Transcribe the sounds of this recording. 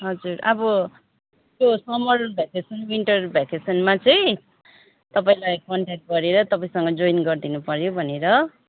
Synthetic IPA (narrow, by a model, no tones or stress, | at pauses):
ɦʌd͡zuɾʌbʌ | t̪josʌmʌrubʱakesʌnwinʈʌrrubʱakesʌnmat͡sʌĩ | t̪ʌpaĩlajkʌɳʈak̚ʈ̚ɡʌɾeɾʌt̪ʌpaĩsʌŋɡʌd͡zoinɡʌrd̪inupʌɾjobʱʌneɾʌ